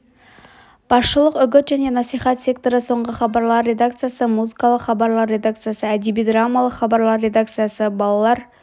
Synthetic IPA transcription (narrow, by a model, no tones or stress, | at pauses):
b̥ɑsʃəlˠəqʏɡʲɪt̪ʒæne̞nɑsijχɑt̪sʲe̞k̚t̪o̞ɾəso̞ɴʁəχɑbɑɾlˠɑɾːe̞d̪ak̚t̪sɨjasəmuzikɑlˠəqχɑbɑɾlˠɑɾːe̞d̪ak̚t̪sɨjasəæd̪ebijd̪ramːalˠəqχɑbɑɾlˠɑɾːe̞d̪akt̪sɨjasəbɑlˠɑlˠɑɾ